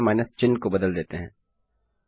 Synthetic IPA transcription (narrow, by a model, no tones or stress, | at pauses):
maːɪnəst͡ʃɪnːkobɐd̪əld̪eːt̪eɦɛ̃ː